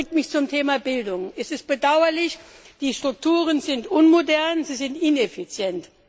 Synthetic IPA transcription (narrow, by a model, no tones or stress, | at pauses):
ɪk̚tmɪçt͡sʊmtʰeːmabɪldʊŋɛsɪst̚b̥ədaʊɐlɪçd̥iːʃtʁ̥ʊk̚tʰuːʁ̞ənzɪntʔʊnmodɛɐnziːzɪntɪnefit͡sjɛnt